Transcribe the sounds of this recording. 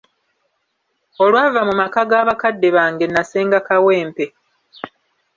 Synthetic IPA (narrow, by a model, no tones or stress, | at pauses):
o̞lwaːvamumakaɡaːβakadːe̞βaːŋɡe̞nːaseːŋɡakawe̞ːmpe̞